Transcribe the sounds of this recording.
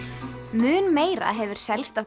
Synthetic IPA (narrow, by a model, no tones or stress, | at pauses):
mʏːnmeːjɾa̰ɦɛvʏɾ̥sɛlst̪a